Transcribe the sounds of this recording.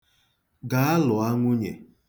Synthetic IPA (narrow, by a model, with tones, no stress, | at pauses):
ɡa˨a˦lʊ˨a˦ŋʷʊ˦ɲḛ˨